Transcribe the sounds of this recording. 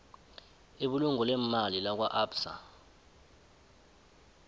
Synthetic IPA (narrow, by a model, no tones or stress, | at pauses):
eɓuluŋɔlɛmalilak̬waʔapsa̰